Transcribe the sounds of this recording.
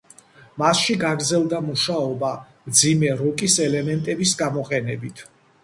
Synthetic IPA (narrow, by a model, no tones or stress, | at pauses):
masʃiɡaɡɾd̪zɛlˠd̪amuʃaɔba | md̪zimɛɾɔkʼisɛlɛmɛnt̪ʼɛbisɡamɔqʼɛnɛbit̪ʰ